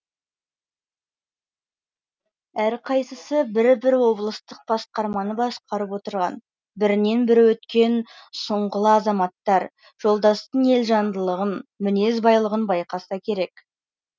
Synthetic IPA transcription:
æɾqʰɑjsəsəbɪɾbɪɾwo̞blˠəst̪əq̚b̥ɑsqɑɾmɑnəbɑsqʰɑɾəpwo̞t̪əɾʁɑ̰n | bɪɾɪne̞nbɪɾwɵt̪kʲe̞nsoɴʁəlˠəɑzɑmɑt̪ːɑɾ | ʒ̥o̞lˠd̪ɑst̪əne̞lʒɑnd̪əlˠəʁənmʏne̞zbɑjlˠəʁənbɑjqɑsɑkʲʰe̞ɾe̞k

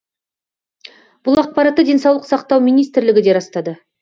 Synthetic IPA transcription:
b̥ʊlˠɑq̚pɑɾɑt̪ːəd̪e̞nsɑwlˠəqsɑqt̪ɑwmijnijst̪ɪɾlɪɡʲɪd̪e̞ɾɑst̪ɑd̪ə

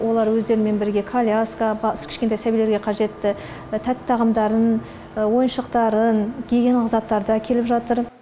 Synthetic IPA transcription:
wo̞lˠɑɾwɵzd̪e̞ɾɪme̞nbɪɾɡʲe̞kʰalʲjaskabɑskʰʲɪ̥ʃkʲet̪ɑjsæbileɾɡʲe̞qʰɑʒe̞t̪ːɪ | t̪ʰæt̪ʰːɑʁɑmd̪ɑɾən | wo̞jənʃəqt̪ɑɾənɡʲʰeɡʲenlˠɪqzɑt̪ːɑɾd̪ɑkʲʰe̞lɪpʒɑt̪əɾ

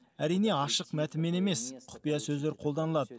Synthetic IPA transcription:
æɾijne̞ɑʃəqmæt̪ɪmːe̞ne̞me̞sqʰʊ̥pijɑsɵzleɾqʰolˠd̪ɑnəlˠɑd̪ə

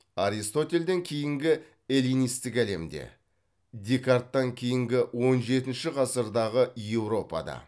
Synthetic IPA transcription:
aɾist̪o̞t̪ʲe̞ld̪e̞ŋkʲʰe̞jɪŋɡʲɪ | e̞lʲijnijst̪ɪkæle̞md̪e̞̰ | d̪ʲe̞kart̪ːɑŋkʲʰe̞jɪŋɡʲɪwo̞nʒe̞t̪ɪnʃɪqʰɑsəɾd̪ɑʁəje̞wɾo̞pɑ̰d̪ɑ̰

